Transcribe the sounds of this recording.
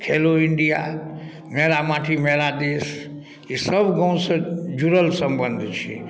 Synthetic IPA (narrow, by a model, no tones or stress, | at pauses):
kʰeloiɳɖija̰ | meɾamãʈʰimeɾad̪es | isəbɡə̃w̃sə̃d͡ʒuɾəlsəmbənd̪ʱt͡ʃʰḭ